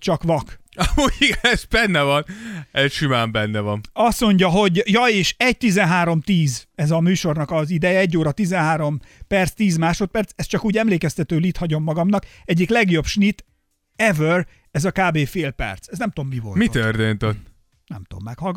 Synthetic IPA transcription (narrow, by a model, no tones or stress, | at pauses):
t͡ʃɒkʋɒk | ɒmuːjiɡɛnɛzbɛnːɛvɒnɛsʃimaːmbɛnːɛvɒnɒsmo̞ɲɟɒɦo̞ɟjɒeːʃɛc̚t̪izɛnɦaːɾo̞mt̪iːzɛzɒmyːʃo̞rnɒkɒzid̪ɛjɛɛɟːoːɾɒt̪izɛnɦaːɾo̞mpɛrt̪st̪iːzmaːʃo̞t̪̚pɛrt̪sɛst̪t͡ʃɒkuːɟɛmleːkɛst̪ɛt̪øːlit̪hɒɟo̞mːɒɡɒmnɒkɛɟːiklɛɡjo̞bʃnit̪ | ɛvør | ɛzɒkaːbeːfeːlpɛ̰rt̪sɛznɛmt̪omːivo̰lmit̪ørt̪eːnt̪ot̪ː | nɛ̰mt̪o̰mːɛkhɒlɡ